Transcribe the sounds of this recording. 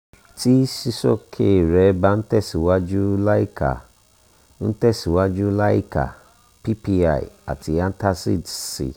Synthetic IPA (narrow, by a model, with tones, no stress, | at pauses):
ti˦si˦sɔ̰˦˨kʰe˦˨ɾɛ˨˦ba˦n̩˦tɛ˦˨si˨wa˦d͡ʒu˦la˦i˦ka̰˨ | n̩˦tɛ˦˨si˨wa˦d͡ʒu˦la˦ḭ˦˨ka̰˨ | pi˦pi˦a̰˦˨i˨a̰˨ti˧˦a˦n˦ta˦si˦˨dsḭ˨